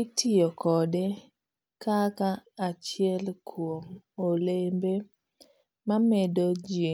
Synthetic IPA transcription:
itʰɪjokɔde | kakaːt͡ʃɪɛlkʰwomolembe | mamedod͡ʒe

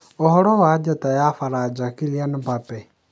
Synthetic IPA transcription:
ɔhɔɾɔwaːd͡ʒatʼajaːfaɾaːd͡ʒakilianɪbapɛ

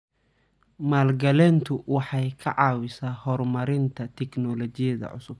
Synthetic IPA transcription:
maːlɡɐlɛːnt̪ʰʊwɑħɑjkʰɐʕɑːwɪsaːhɔrmɐɾɪnt̪ʰɐt̪ʰɛknɔlɔt͡ʃɪjɐðɐ̰ʕʊ̰sʊb̥̚

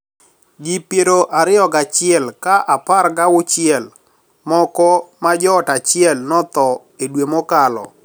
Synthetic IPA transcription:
d͡ʒipjeɾoʔaɾɪɔɡat͡ʃɪɛlkaʔaparɡawʊt͡ʃɪɛl | mɔkɔmad͡ʒɔːtat͡ʃɪɛlnɔt̪ɔ | edwemokalɔ̰

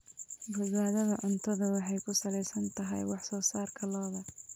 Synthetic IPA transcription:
bʊd̪waːðɐðɐʕʊnt̪ʰɐðɐwɑħɑjkʰʊsɐlɛjsɐnt̪ʰɐɦɐ̰jwɑħsɔːsaːrkʰɐlɔːðɐ

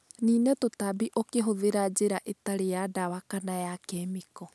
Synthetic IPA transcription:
niːnɛtotabiʔokeɦoðeɾad͡ʑeɾaʔetaɾejadawakanajakɛmikɔ

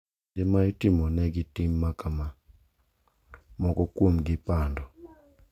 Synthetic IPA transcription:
dɪmajitɪmɔnɛɡɪtɪmːakama | mɔkɔkwomɡɪpandɔ

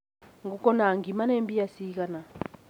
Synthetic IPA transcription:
ŋɡukɔnaŋɡimanembijasik̬ana

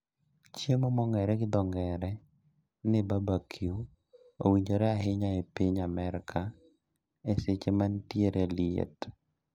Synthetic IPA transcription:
t͡ʃjemomɔŋɛɾɛɡɪd̪ɔŋɛɾɛ | nɪbabakʰiu | o̰wiɲd͡ʒoɾɛaɦɪɲaepiɲamɛɾkʰa | eset͡ʃemantjeɾʔeliḛt

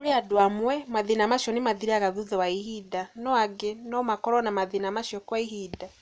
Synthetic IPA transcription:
ɾeadwamwɛmaðinamaʃjɔnemaðiɾaɣaðuðɛwaihidanɔaɡenɔmakɔɾɔnamaðinamaʃjɔkwaiɦida

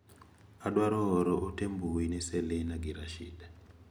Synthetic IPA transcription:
aɗwaɾoɾoʔotembuwineselenaɡʱiɾaʃḭːda

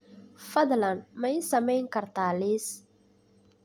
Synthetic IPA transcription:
fɐðlɐnmɐjsɐmɛjŋkʰɐrt̪ʰaːliːs

